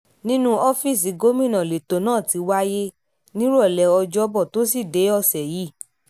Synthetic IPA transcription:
nĩ˦nũ˦ɔ˦fi˦˨s̬i˨˦ɡo˦mĩ˦˨nã˨le˨to˨nãː˦˨ti˧wa˦je˦ | nĩ˦ɾɔ˦˨lɛ˨ɔ˧d͡ʒɔ˦bɔ˦˨to˦si˦˨de˨˦ɔ˧sɛ˨ji˨˦˨

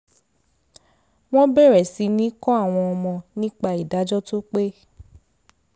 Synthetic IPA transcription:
w̃ɔ̃˦bɛ˦˨ɾɛ˨si˨˧nĩ˨˦kɔ̃˦a˦˨w̃ɔ̃˧ɔ˧mɔ̃˧nĩ˦k͡pa˧i˨da˨˦d͡ʒɔ˦to˦k͡pe˦

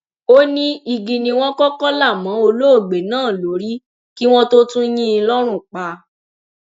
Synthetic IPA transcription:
o˦nĩ˦i˧ɡĩ˨nĩ˧w̃ɔ̃˦kɔ˦kɔ˦la˦˨mã˨˦o˧lo˦o˦˨ɡ͡be˨nãː˦˨lo˨˦ɾi˦ | ki˦w̃ɔ̃˦to˦tũ˦j̃ĩ˦lɔ˦ɾ̃ũ˦˨k͡pa˨˧

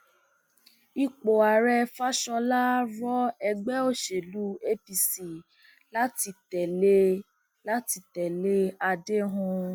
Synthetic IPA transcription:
i˧k͡po˨a˨ɾɛ˧fa˦ʃɔ˧la˦ɾɔ˦ɛ˧ɡ͡bɛ˦o˦ʃe˨lu˨˦e˦pi˧si˨ | la˦ti˧tɛ˨le˦ | la˦ti˧tɛ˨le˦a˧de˦ɦũ˧

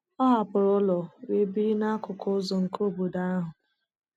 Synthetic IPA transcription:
ɔ˦ɦa˨pʊ˨ɾʊ˦lɔ˨we˨˦bi˦na˦kʊ˨kʊ˦zɔ˨ŋ̩˨ko˦˨bo˨da˦a˦ɦʊ˨

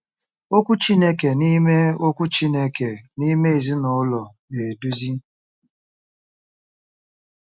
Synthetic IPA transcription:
o˦kʷu˦t͡ʃi˦ne˦ke˨ni˦me˦o˦kʷu˦t͡ʃi˦ne˦ke˨ni˦me˦i˨zi˦nʊ˨˦lɔ˨ | ne˨du˦zi˦

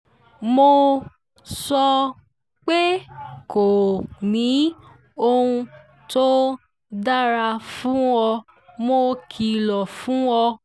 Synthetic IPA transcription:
mo˧ | sɔ˧ | k͡pe˦ko˨nĩ˨˦ | o˧ũ˧ | to˦ | da˦ɾa˧fũ˨˦wɔ˧ | mo˧kʰi˨lɔ˨fũ˨˦wɔ˧

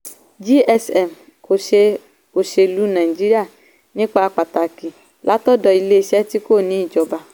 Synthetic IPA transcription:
d͡ʒi˦ɛ˦sɛ˨m | ko˨e˦ | o˨ʃe˨lu˦na˨i˨d͡ʒi˦ɾi˦a˦˨ | nĩ˦k͡pa˨˧k͡pa˨ta˨ki˨ | lʔa˦tɔ˦dɔ˨i˨le˦˨sɛ˦ti˦ko˦˨nĩ˨˦˨d͡ʒɔ˨ba˨

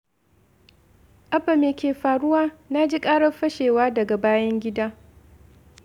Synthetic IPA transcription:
ʔɐ˦ɸɐ˨meː˨kʲeː˨ɸaː˨ɽʊ˦waː˦na˦d͡ʒi˦kʼaː˦ɽɐ˦ɸɐ˦ʃeː˨waː˦dɐ˨ɡa˨baː˦jɐ˦ŋɡʲɪ˦daː˦

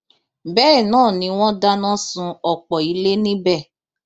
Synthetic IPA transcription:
bɛː˦˨nãː˦˨nĩ˧˦w̃ɔ̃˦da˦nã˦sũ˧ɔ˨k͡pɔ˨i˨˦le˦nĩ˦bɛ˦˨

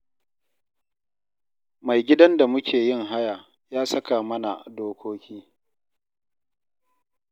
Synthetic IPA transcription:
ma˨jɡʲɪ˦dɐ˦nda˨mʊ˦kʲʰeː˨jɪ˦ŋɦa˦ja˨ | jaː˦sɐ˦kaː˨mɐ˦na˨doː˦kʷoː˦kʲʰiː˦

